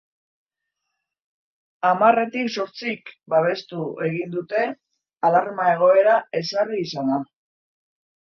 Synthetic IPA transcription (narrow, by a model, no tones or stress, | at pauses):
amare̞t̪ikso̞ɾt͡sikbaβ̞e̞st̪ue̞ɣ̞ind̪ut̪e̞ | alaɾmae̞ɣ̞o̞e̞ɾae̞sariːsana